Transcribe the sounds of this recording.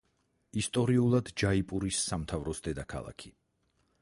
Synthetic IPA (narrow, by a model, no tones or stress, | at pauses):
ist̪ʼɔɾiulˠad̪d͡ʒaipʼuɾisːamt̪ʰavɾɔsd̪ɛd̪akʰa̰lˠa̰kʰi̥